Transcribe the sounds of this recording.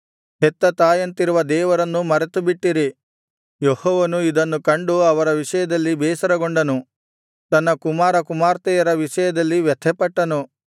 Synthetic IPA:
ɦɛt̪ːɐt̪aːjɐnt̪iɾuʋɐd̪ɛːʋɐɾɐnːumɐɾɐt̪ubiʈːiɾi | johɔːʋɐnuid̪ɐnːukɐɳɖuɐʋɐɾɐʋiʂɐjɐd̪ɐlːibɛːsɐɾɐɡoɳɖɐnu | t̪ɐnːɐkumaːɾɐkumaːɾt̪ɛjɐɾɐʋiʂɐjɐd̪ɐlːiʋjɐt̪ʰɛpɐʈːɐnu

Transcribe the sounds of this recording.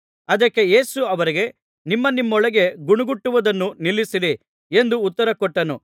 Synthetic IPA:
ɐd̪ɐkːe̞je̞ːsuɐʋɐɾiɡe̞ | nimːɐnimːɔɭɐɡe̞ɡuɳuɡuʈːuʋɐd̪ɐnːunilːisiɾi | e̞nd̪uːt̪ːɐɾɐkɔʈːɐnṵ

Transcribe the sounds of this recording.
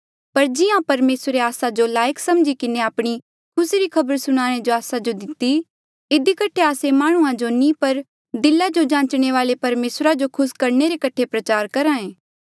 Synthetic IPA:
pɐɾd͡ʒɪjãpɐɾmeːsɾeaːsad͡ʒolaːjəksɐmd͡ʒikɪneaːpɽ̃i | kʰʊsiɾikʰɐbəɾsʊɽ̃aːɽ̃ed͡ʒoaːsad͡ʒod̪ɪt̪ːi | ɪd̪ikɐʈʰeaːsemaːɽ̃ũãd͡ʒonĩpɐɾ | d̪ɪlad͡ʒod͡ʒãːt͡ʃɽ̃eʋaːlepɐɾmeːsɾad͡ʒokʰʊskɐɾneɾekɐʈʰepɾɐt͡ʃaːɾkɐɾãːẽː

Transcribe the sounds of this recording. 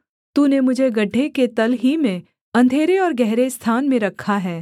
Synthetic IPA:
t̪uːnemʊd͡ʒʱeɡɐɖʱːeket̪ɐlɦimẽ | ɐ̃nd̪ʱeːɾeɔːɾɡɛɦɾest̪ʰaːnmẽɾɐkʰːaɦɛː

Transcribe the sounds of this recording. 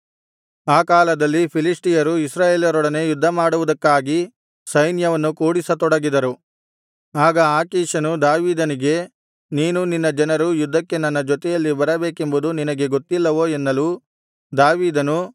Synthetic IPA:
aːkaːlɐd̪ɐlːipʰilisʈijɐɾuisɾaːjeːlijɐɾɔɽɐne̞jud̪ʱːɐmaːɽuʋud̪ɐkːaːɡi | sɐjnjɐʋɐnːukuːɽisɐt̪ɔɽɐɡid̪ɐɾu | aːɡɐaːkiːʃɐnud̪aːʋiːd̪ɐniɡe̞ | niːnuninːɐd͡ʒɐnɐɾujud̪ʱːɐkːe̞nɐnːɐd͡ʒɔt̪ɛjɐlːibɐɾɐbe̞ːke̞mbud̪uninɐɡe̞ɡot̪ːilːɐʋoːenːɐlu | d̪aːʋiːd̪ɐnu

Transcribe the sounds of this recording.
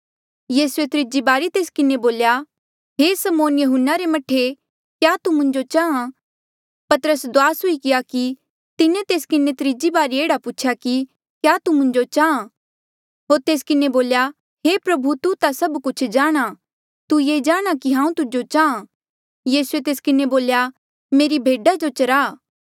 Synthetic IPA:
jiːsuet̪ɾɪd͡ʒibaːɾit̪eːskɪneboːlja | ɦesɐmoːnjɐɦʊnːaɾemɐʈʰːe | kjaːt̪umʊ̃ɲd͡ʒot͡ʃaːã | pɐt̪əɾəsd̪ʊaːsʊikɪjaki | t̪ɪnẽt̪eːskɪnet̪ɾɪd͡ʒibaːɾieːɽapuːt͡ʃʰjaki | kjaːt̪umʊ̃ɲd͡ʒot͡ʃaːã | ɦoːɾt̪eːskɪneboːlja | ɦepɾɐbʱut̪ut̪asɐbkʊt͡ʃʰd͡ʒaːɽ̃a | t̪ujeːd͡ʒaːɽ̃akiɦãːũt̪ʊd͡ʒot͡ʃaːã | jiːsuet̪eːskɪneboːlja | meːɾibʱeːɖad͡ʒot͡ʃɐɾaː

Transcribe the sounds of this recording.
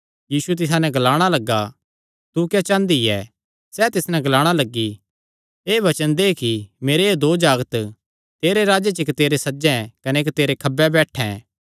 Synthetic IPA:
jiːsuɛt̪̬ɪs̬ãnɛ̃ɡlaːɽ̃alɐɡa | t̪ukjat͡ʃãːnd̪iɛː | sɛt̪ɪsnɛ̃ɡɐlaːɽ̃alɐɡːi | eːʋɐt͡ʃənd̪eːkimeːɾeed̪oːd͡ʒaːɡət̪ | t̪eːɾeɾaːd͡ʒet͡ʃɪkt̪eːɾesɐd͡ʒɛ̃kɐneːkt̪eːɾekʰɐbːɛbɛːʈʰɛ̰̃ː

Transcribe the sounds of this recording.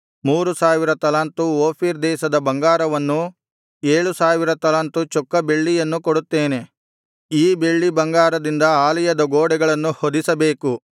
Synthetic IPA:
muːɾusaːʋiɾɐt̪ɐlaːnt̪uoːpʰiɾd̪ɛːʃɐd̪ɐbɐŋɡaːɾɐʋɐnːu | eːɭusaːʋiɾɐt̪ɐlaːnt̪ut͡ʃɔkːɐbe̞ɭːijɐnːukoɽut̪ːeːne̞ | iːbe̞ɭːibɐŋɡaːɾɐd̪ind̪ɐaːlijɐd̪ɐɡoːɽɛɡɐɭɐnːuhod̪isɐbe̞ːku

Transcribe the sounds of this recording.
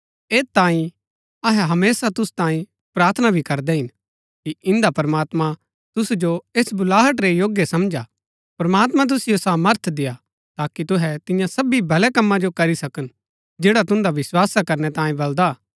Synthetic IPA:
eːt̪ãːĩ | ɐɦɛɦɐmeːsat̪ʊst̪ãːĩ | pɾaːɾt̪ʰənabʱikɐɾd̪ɛɦɪn | kiɪ̃nd̪apɐɾmaːt̪mã | t̪ʊsud͡ʒoeːsbʊlaːɦəʈɾejoːɡjəsɐmd͡ʒa | pɐɾɐmaːt̪mãt̪̬ʊsijosaːməɾt̪ʰd̪ɪja | t̪aːkit̪ʊɦɛt̪ɪjãsɐbibʱɐlɛkɐmːãd͡ʒokɐɾisɐkən | d͡ʒeːɽat̪ʊ̃nd̪aʋɪswaːsakɐɾnɛt̪ãːĩbɐld̪aː

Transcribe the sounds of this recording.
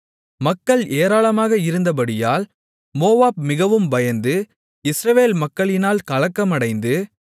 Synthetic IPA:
mɐkːɐɭʔeːɾaːlɐmaːɣɐɪɾɯnd̪ɐp̬ɐɽɪjaːl | moːʋaːb̚mɪɣɐʋɯmbɐjɐnd̪ɯ | ɪsɾɐʋeːlmɐkːɐɭɪnaːlkɐlɐkːɐmɐɽɐɪnd̪ɯ

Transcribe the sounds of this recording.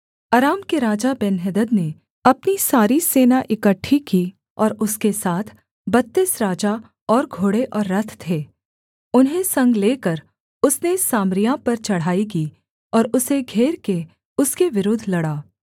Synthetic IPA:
aːɾaːmkeɾaːd͡ʒabɛnɦɛd̪əd̪ne | ɐpnisaːɾiseːnaʔɪkəʈʰːiki | ɔːɾʊskesaːt̪ʰ | bɐt̪ːɪsɾaːd͡ʒa | ɔːɾɡʱoːɽeʔɔːɾːɐt̪ʰt̪ʰeː | ʊnɦẽsɐ̃ŋɡleːkəɾ | ʊsnesaːmɾijãpɐɾt͡ʃɐɽ̤ɦaːik̬iː | ɔːɾʊseɡʱeːɾke | ʊskeʋɪɾoːd̪ʱlɐɽaː

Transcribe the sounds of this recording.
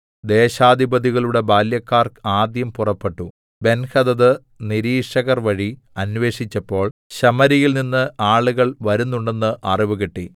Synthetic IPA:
d̪e̞ːɕaːd̪ʱibɐd̪iɣɐɭuɽe̞baːljɐkːaːraːd̪jɐmpurɐpːe̞ʈːu | be̞nxɐd̪ɐðɨ | niɾiːʂɐɣɐrʋɐɻi | ɐnʋe̞ːʂit͡ɕːɐpːo̞ːɭɕɐmɐɾijilninːɨaːɭuɣɐɭʋɐɾunːuɳɖe̞nːɨʔɐriʋuɣiʈːi

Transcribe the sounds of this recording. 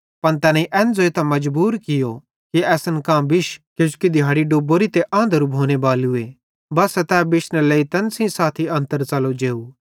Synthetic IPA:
pɐnt̪ɛːnãiʔɛːnd͡zoːet̪ãmɐd͡ʒbuːɾkɪjo | kiɛːsənkãːbɪʃkjõːskid̪ʱɪjaːɽiɖoːboːɾit̪eʔɐ̃ːnd̪əɾubʱoːnebaːlue | bɐsɛt̪ɛːbɪʃnəleːit̪ɛnsĩsaːt̪ʰiɐ̃nt̪əɾt͡sɐlod͡ʒeːu

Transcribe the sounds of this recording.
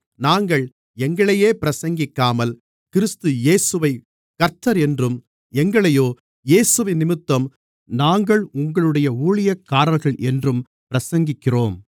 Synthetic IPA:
naːŋɡɐɭ | ɛŋɡɐɭɐjeːpɪɾɐsɐŋɡɪkːaːmɐl | kɪɾɪst̪ɯjeːsɯʋɐɪ | kɐɾt̪ːɐɾɛndrɯm | ɛŋɡɐɭɐjoː | jeːsɯʋɪnːɪmɪt̪ːɐm | naːŋɡɐɭʊŋɡɐɭɯɽɐjɐuːɭɪjɐkːaːɾɐlɣɐɭʔɛndrɯm | pɪɾɐsɐŋɡɪkːɪroːm

